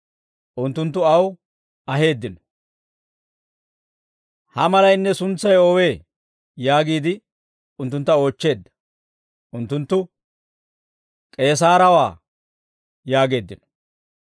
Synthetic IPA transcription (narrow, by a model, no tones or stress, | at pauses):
ʔʊnt̪ːʊnt̪̬ːʊɐw | ɐɦe̞ːd̪ːɪnɔ̥ | hɐmɐlɐjnːɛsʊnt͡sːɐjɔwe̞ː | jaːɡiːd̪ɪ | ʊnt̪ːʊnt̪ːɐo̞ːt͡ʃːe̞ːd̪ːɐ̥ | ʔʊnt̪ːʊnt̪ːʊ | kʼe̞ːs̬aːɾɐwaː | jaːɡe̞ːd̪ːɪnɔ̥